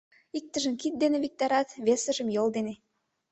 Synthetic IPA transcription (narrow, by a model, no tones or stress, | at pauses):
ik̚t̪ə̆ʒə̆mkit̪̚d̪eneβik̚t̪ɑɾɑt̪βesə̆ʒə̆mjold̪ene